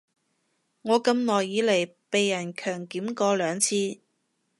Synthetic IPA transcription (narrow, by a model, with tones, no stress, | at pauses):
ŋɔː˨˧kɐ˧mnɔː˨˩jːiː˨˧lɐ˨˩jpe˨jːɐ˨˩nkʰœː˨˩ŋkiː˨˥mkɔː˧lœː˨˧ŋt͡sʰiː˧